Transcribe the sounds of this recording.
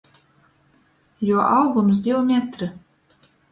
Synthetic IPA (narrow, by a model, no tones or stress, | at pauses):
juɔʔawɡumsd̪ʲiwmʲæt̪ɾɨ